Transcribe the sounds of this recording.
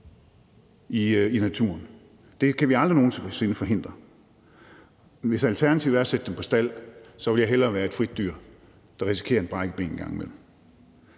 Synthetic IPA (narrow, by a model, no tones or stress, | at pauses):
iinæt͡sʰuːɐn | d̥e̝kʰæʋiɑ̈ld̥ʁino̝ːn̩t͡sʰse̝nəfɒ̽ɦe̝n̰d̥ʁɐ | ʋe̝sælt͡sʰæɐnæt͡sʰiʊæɐɐsed̥əd̥empʰɒ̽sd̥æl̰sɒ̽ʋe̝ljɑ̈ɪɦelɐːʋæːɐe̝d̥fʁid̥̚d̥yɐ̰ | d̥ɑ̈ʁisi̥kʰe̝̰ɐe̝nb̥ʁɑ̈ɡ̥ə̥e̝̰ːn̩ɡ̥ɑ̈ŋ̰med̥m̩